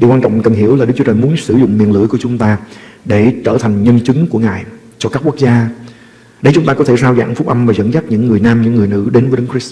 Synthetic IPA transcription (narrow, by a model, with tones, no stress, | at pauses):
ɗi˨˩kwaː˧nt͡ɕɔ̰˧˨wŋ͡mkə˨˩nhi˧˩əwlaː˨˩ɨ˦˥k̚t͡ɕu˦t͡ɕəː˨˩jmu˨˦ənsɨ˧˩zʊ̰˧˨ŋ͡mmi˨˩ənlɨ̰˧˥əjku˧˩ət͡ɕʊ˨˦ŋ͡mt̪aː˧ɗe˧˩t͡ɕəː˧˩t̪ʰa˨˩ŋ̟ɲə˧nt͡ɕɨ˨˦ŋku˧˩əŋa̰ː˧˨j | t͡ɕɔ˧kaː˦˥kːu˦˥ək̚zaː˧ | ɗə˨˦jt͡ɕʊ˨˦ŋ͡mt̪aː˧kɔ˨˦t̪ʰe˧˩saː˧wza̰ː˧˩ŋfʊ˦˥k͡p̚ʔa˧mvaː˨˩zə̰˧˥nza˦˥p̚ɲɨ̰˧˥ŋːɨ˨˩əjnaː˧mɲɨ̰˧˥ŋːɨ˨˩əjnɨ̰˧˥ɗe˨˦nvəː˨˦ɗə˨˦ŋki˦˥